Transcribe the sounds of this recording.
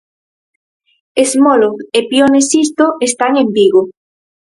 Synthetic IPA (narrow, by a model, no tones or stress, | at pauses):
ezmoloepjonesist̪oest̪aŋembiɣo